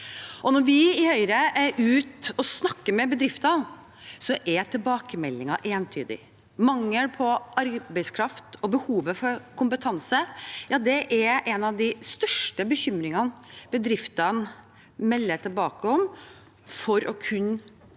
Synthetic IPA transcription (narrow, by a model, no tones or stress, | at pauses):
ʔɔnɔɾʋɪɪhœʏɾəʉːt̪ɔsnɑkːəɾmɛbəd̪ɾɪft̪ɑn | sɔʔɛt̪ʰɪlbɑːkəmɛlːɪŋɑʔeːnt̪ʰy̰ːd̪ɪ̰ | mɑŋːəlpʰɔʔɑɾbæɪskʰɾɑft̪ɔbəhuːʋəfɔɾkʰʊmpət̪ʰɑnsəjɑːd̪ɛʔɛɛnɑʋd̪ɪst̪œʂʈəbəçʏmɾɪŋɑnb̥əd̪ɾɪft̪ɑn | mɛlːəʈ̪ʰɪlbɑːkəɔm | fɔɾʔɔkʰʉnː